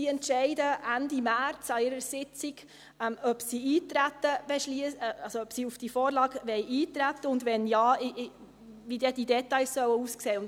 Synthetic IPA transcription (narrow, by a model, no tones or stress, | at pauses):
iɛntʃɛɪdəændimæɾt͡sɑɪɾəsɪt͡siɡ | ɛmœpsiːiːt̪ɾæt̪ːəb̥ɛʃliəsɑlsoœpsiːufd̥ifoːɾlɑːɡʋɛjʔiːt̪ɾætːəʊndʋɛnjɑːʔ | vidɛd̥idɛtɑɪssœwəuːskseːʊn